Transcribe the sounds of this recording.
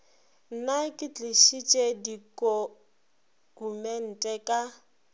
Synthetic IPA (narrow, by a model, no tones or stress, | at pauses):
n̩nakʼɪt͡ɬʼɪʃit͡ʃʼedikʼo | umɛn̩tʼɛkʼa